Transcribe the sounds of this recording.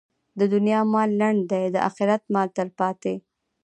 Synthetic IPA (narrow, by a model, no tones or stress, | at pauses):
d̪əd̪ʊnjɑmɑlːaɳɖd̪ajd̪əʔa̰xɪɾat̪mɑlt̪əlpɑt̪e